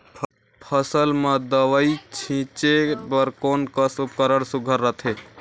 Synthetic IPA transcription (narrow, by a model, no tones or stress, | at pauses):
pʰ | pʰəsəlmed̪əʋəit͡ʃʰĩt͡ʃebəɾkonkəsupkəɾəɽsuɡʱəɾːət̪ʰe